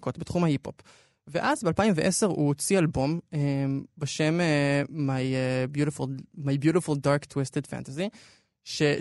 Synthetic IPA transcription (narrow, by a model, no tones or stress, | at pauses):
kotbetχumhahipo̞̰p | veʔazbealpaimveʔeseʁṵot͡sialbo̞membeʃe̞memajebjuɾefulmajbjuɾefuldaʁktwistedfa̰ntazi | ʃe̞